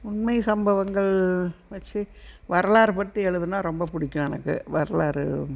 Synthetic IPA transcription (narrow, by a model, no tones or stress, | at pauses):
ʊnmɐɪsɐmbɐʋɐŋɡɐɭʋɐt͡ʃːɯʋɐɾɐlaːɾpɐʈːiɛɻɯðɯnaːɾɔmbɐpʊɽɪkʲːʊ̃jɛnɐ̰kːɯ̰ʋɐɾɐlaːɾɯ